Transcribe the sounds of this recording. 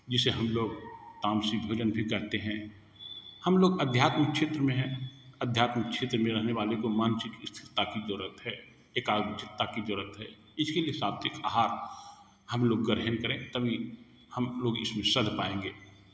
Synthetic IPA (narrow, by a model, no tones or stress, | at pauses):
d͡ʒɪseɦɐmloːɡt̪aːmsibʱoːd͡ʒənbʱikəɾt̪eɦɛ̃ | həmloːɡəd̪ʱjaːt̪mək̚t͡ʃʰeːt̪ɾəmẽɦɛ̃əd̪ʱjaːt̪mək̚ʃʰeːt̪ɾəmẽɾəɦneʋaːlekomaːnsɪk̪ɪst̪ʰɪɾt̪akid̪oːɾət̪ɦɛː | eːkaːɡt͡ʃɪt̪ːakid̪ɔːɾət̪ɦɛː | ɪskeliesaːt̪eka̰ːɦaːɾ | həmloːɡːəɾɦənkəɾẽt̪əbʱi | həmloːɡɪsmẽsəd̪ʱpaːẽːŋɡeː